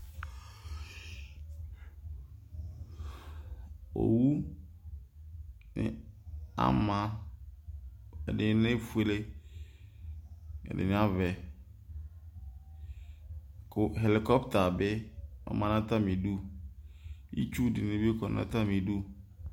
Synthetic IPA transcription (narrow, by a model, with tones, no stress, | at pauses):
o̰˨wu˦ | nɪ̰˨a̰˦mã˨ | ɛ̰˨dɪ˨˦nɪ̃˦fu˦e˦le˦ | ɛ̰˨dɪ̰˨nɪ̃˦a˦vɛ˨ | kʊ˨ɦe˨lɪ˨kɔ˦pta˨bɪ˦ɔ̰˨˦mã˦nã˦ta˦mĩ˨du˦ | ḭ˦t͡ʃu˦dɪ˨nẽ˦bkɔ˨nã̰˦ta˦mĩ˨du˦